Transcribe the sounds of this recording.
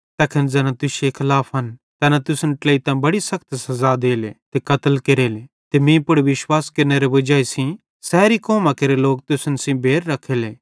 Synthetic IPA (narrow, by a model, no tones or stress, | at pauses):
t̪ɐkʰənd͡zɛːnãt̪ʊsekʰɪlaːpʰɦɐnt̪ɛnãt̪ʊsənʈleːit̪ãbɐɽisɐkʰt̪sɐzad̪eːlet̪ekɐt̪əlkeɾeːle | t̪emĩːpʊɽʋɪʃwaːskɐɾneɾeʋɐd͡ʒaːisĩ | sɛːɾikɔːmãkeɾeloːk̚t̪ʊsənsĩbʱeːɾːɐkʰeleː